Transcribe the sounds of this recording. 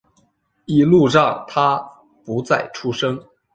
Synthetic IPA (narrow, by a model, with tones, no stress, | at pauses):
i˥˩lu˥˧ʈ͡ʂɑ˥˩ŋt̪ʰa˥ | pu˧˥t͡sa˥˩ɪʈ͡ʂʰu˥ʂɤ˥ŋ